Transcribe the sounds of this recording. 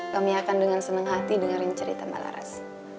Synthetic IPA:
kamiakandəŋansənəŋɦat̪idəŋaɾɪɲt͡ʃəɾḭt̪ama̰la̰ɾa̰s

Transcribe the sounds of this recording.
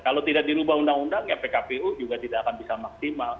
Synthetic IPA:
kalot̪idaʔ̚diɾubahundaŋundaŋɲapekapeud͡ʒuɡat̪idaʔakanbisamaksimal

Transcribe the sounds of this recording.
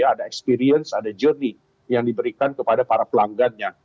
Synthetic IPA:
aːdaɛkspiɾiənsadad͡ʒərni | jaŋdibəɾikankəpadapaɾapəlaŋɡanɲa

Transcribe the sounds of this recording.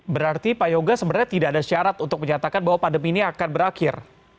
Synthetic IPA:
bəɾart̪ipajoɡasəbərɲat̪idaadast͡ʃaɾat̪unt̪ʊk̚məɲat̪akanbaɦwapadəminiakanbəɾakɪr

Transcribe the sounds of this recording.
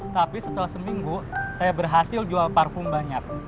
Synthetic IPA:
t̪apisət̪əlahsəmiŋɡusajabərɦasɪld͡ʒualparfʊmbaɲak̚

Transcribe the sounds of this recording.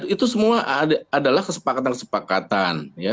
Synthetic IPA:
it̪usəmuaʔdaːdalahkəsə̥pakat̪ankəsə̥pakat̪anja

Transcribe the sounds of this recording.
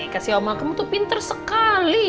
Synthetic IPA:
kasiamalkəmut̪upint̪ərsəkali

